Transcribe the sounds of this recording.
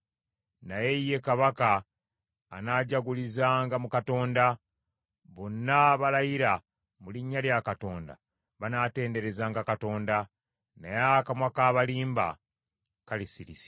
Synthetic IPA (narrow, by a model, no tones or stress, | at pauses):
najeje̞kaβakaː | naːɟaɡulizaːŋɡamukato̞ːnda | βo̞nːaβalajiɾa | muliɲːaljakato̞ːnda̰ | βanaːte̞ːnde̞ɾe̞zaːŋɡakato̞ːnda | najakamwakaːβaliːmba̰ | kalisiɾisi̥